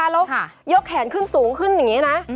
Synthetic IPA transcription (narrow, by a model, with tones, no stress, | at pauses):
aː˧lo˦˥˧jo˦˥k̚ʰːɛː˨˩˦nkʰɯ˥˩nsuː˩˦ŋkʰɯ˥˩nja˨˩ŋːi˦˥na˦˥